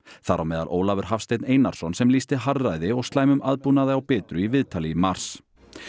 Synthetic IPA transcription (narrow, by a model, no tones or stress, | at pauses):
θaɾʔawmɛːðalʔo̰ːwlavʏɾ̥ɦafst̪ejt̪nejnaɾ̥sɔnsɛmliːst̪ɪɦarːajðɪɔɣst̪laːjmʏmaðpunaðɪawpɛːt̪ɾʏivɪðt̪ʰalimar̥s